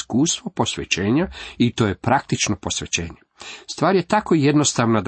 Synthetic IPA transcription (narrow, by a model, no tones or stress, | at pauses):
kuːst̪ʋo̞po̞sʋḛt͡ɕeːɲait̪o̞jepɾak̚t̪it͡ʃnopo̞sʋet͡ɕeːɲest̪ʋaːɾjet̪ako̞ijed̪no̞st̪aʋnad̪